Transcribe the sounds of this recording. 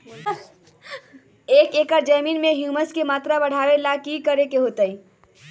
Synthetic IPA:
ekekəɾd͡ʒəminmeɦjuməskemat̪ɾabəɽ̤aʋelakikəɾekeɦot̪əj

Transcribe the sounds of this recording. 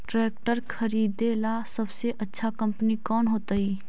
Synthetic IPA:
ʈɾɛːk̚ʈəɾkʰəɾiːd̪eːlasəbseʔɐtːʃʰakə̃mpnikɔːnɦoːt̪aiː

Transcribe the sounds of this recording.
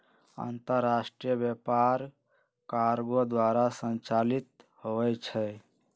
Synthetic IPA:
ã̰ːnt̪əɾːasʈɾijəbjepaɾ | kaɾɡod̪waːɾasə̃nt͡ʃalit̪̚ | hoɛt͡ʃʰɛ

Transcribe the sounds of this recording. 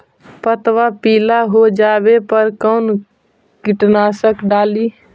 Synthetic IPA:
pət̪ʋapiːlaɦod͡ʒaːbepəɾkɔːn | kɪʈnaːsəkɖaːliː

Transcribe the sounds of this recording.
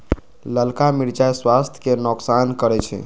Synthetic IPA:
ləlkamiɾt͡ʃajswast̪ʰjə̥kenoksankəɾɛt͡ʃʰɛ̰

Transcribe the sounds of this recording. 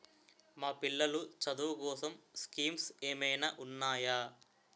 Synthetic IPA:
maːpilːɐlut͡ʃɐd̪uːʋkɔːsɐmskiːmseːmɐjnaːʔunːaːjaː

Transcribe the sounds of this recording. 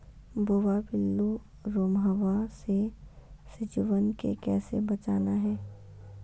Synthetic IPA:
boːʋabɪlːu | ɾoːmɦəʋasesɪd͡ʒʋənkḛkɛːsḛbɐt͡ʃaːnaɦɛː

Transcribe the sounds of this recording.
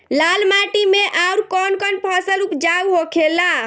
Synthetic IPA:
lalmaʈimeʔauɾkɔnkɔnpʰɔsəlupd͡ʒauɦokʰela

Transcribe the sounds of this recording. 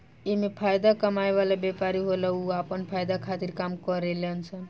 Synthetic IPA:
emepʰajd̪akəmajʋalabjepaɾiɦolauapənpʰajd̪akʰat̪iɾkamkəɾelənsʰən

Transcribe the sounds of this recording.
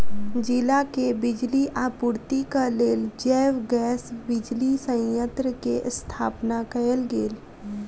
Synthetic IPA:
d͡ʒɪlakebɪd͡ʒliʔapuːɾt̪ikaleːld͡ʒɛːwɡɛːsbɪd͡ʒlisə̃jə̃nt̪ɾəkeʔst̪ʰaːpnakəəlɡeːl

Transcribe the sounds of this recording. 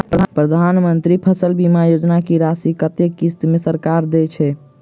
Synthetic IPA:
ppɾəd̪ʱanmənt̪ɾipʰəsəlbimajod͡ʒnakiɾasikət̪ekːist̪mesəɾkaɾd̪ɛt͡ʃʰɛ

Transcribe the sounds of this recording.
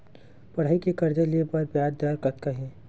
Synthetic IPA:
pɐɽ̤aːikekɐɾd͡ʒaliepɐɾpjaːd̪d̪aːɾkɐt̪̚kaɦẽː

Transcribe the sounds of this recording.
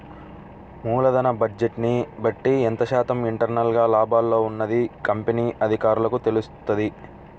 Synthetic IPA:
muːlɐd̪ɐnɐbɐd͡ʒeʈnibɐʈːiɛnt̪ɐʃaːt̪ɐmiɳʈɐɾnɐlɡaːlaːbaːlːo̞ːunːɐd̪ikɐmpeniːʔɐd̪ʱikaːɾulɐkut̪e̞lust̪ɐd̪i

